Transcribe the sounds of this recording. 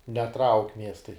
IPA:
nʲɛˈtrɐʊkʲ ˈmʲiɛstɐɪ

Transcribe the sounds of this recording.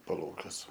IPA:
pɐˈlˠɐʊkʲuɔsʲɛ

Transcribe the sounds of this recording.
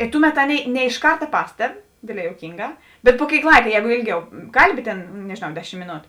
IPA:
ɪ ˈtʊˌmʲɛt ˈɑːˌnʲeːɪ nʲɛ ɪʃ ˈkɐrtɐ ˈpɑːsʲtʲɛp ˈdʲeːdʲˌlʲɛː juɔˈkʲiːŋˌɡɑː bʲɛt pʊ ˈkʲeːɪk ˈlˠɐɪkɐ ˈjɛːɡʊ ˈeːlʲˌɡʲɛʊ ˈkɐlʲˌbʲɪ tʲeːn nʲɛʒʲeːˈnɐʊ ˈdʲæːˌʃʲɪm mʲeːˈnoːtʊ

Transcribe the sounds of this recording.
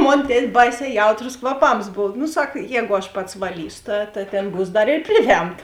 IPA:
ˈmoːn ˈtʲɛtʲ ˈbɐɪˌsʲɛː ˈjɛʊtroːs kʋɐˈpɐms ˈboːw nʊ ˈsɐk ˈjɛːɡʊ ɐʃ ˈpɐts ʋɐˈlʲiːsʊ ˈtɐ tɐ ˈtʲeːn ˈbuːs ˈdɐr ɪr ˈpʲrʲɪˌʋʲɛmtɐ

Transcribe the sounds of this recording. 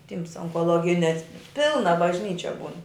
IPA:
ˈtʲiːms oːŋkoːˈlˠoːɡʲɪnʲɛs ˈpʲɪlˠnɐ bɐʒʲˈnʲiːt͡ʃʲɛ ˈbuːn

